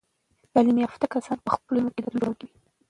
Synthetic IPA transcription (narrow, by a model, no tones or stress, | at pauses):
d̪̥ɑlimiaft̪akasɑnpəxpəlumoked̪əɾloɡi